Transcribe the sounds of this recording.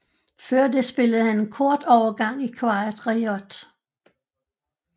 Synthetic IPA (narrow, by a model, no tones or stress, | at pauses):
fɶɐd̥esb̥e̝ləð̩ˠhæne̝nkʰɔɐd̥ɒʊɐɡ̥ɑ̈ŋ̰ikʰʋɑ̈ɪɐd̥ʁiɒd̥